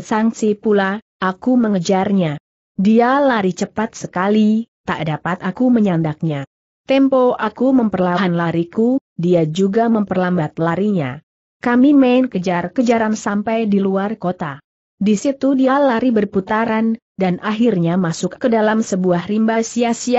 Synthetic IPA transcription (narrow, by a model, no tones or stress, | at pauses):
saŋsipula | ʔakuməŋəd͡ʒarɲa | dialaɾit͡ʃəpat̪̚səkalit̪aʔdapat̪akuməɲandak̚ɲa | t̪ɛmpoakuməmpərlaɦanlaɾikudiad͡ʒuɡaməmpərlambat̪̚laɾiɲa̰ | kamimaɪnkəd͡ʒarkəd͡ʒaɾansampajdiluarkot̪a | disit̪udialaɾibərput̪aɾan | danʔaɦirɲamasʊkkədalamsəbuahrimbasiasia